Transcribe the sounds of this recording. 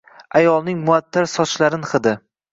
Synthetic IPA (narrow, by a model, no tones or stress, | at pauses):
ajɒlˠnɪŋmʊat̪ʰːaɾsɒt͡ʃlaɾɪnχɨd̪ɪ